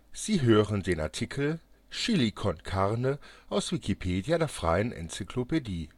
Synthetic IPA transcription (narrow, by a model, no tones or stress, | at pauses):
z̥iːɦøːʁəndeːna̰ɐtʰikʰl̩ | ʃilikʰɔnkʰaʁnəʔaʊsv̥ikʰipʰeːdjadeːɐfʁ̥a̰ɪənʔɛ̰nt͡sikʰlopediː